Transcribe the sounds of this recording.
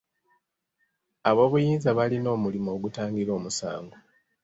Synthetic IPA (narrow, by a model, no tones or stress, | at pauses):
aβo̞ːβujiːnzaβalino̞ːmulimo̞ːɡutaːŋɡiɾo̞ːmusa̰ːŋɡo